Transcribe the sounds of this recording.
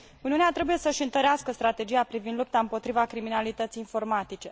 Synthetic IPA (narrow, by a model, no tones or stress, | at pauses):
uniuneat̪ɾe̞buje̞səʃiɨnt̪əɾeaskəst̪ɾat̪e̞d͡ʒijapɾivind̪lup̚t̪aɨmpo̞t̪ɾivakɾiminalit̪ət̪sijːnfo̞rmat̪it͡ʃe̞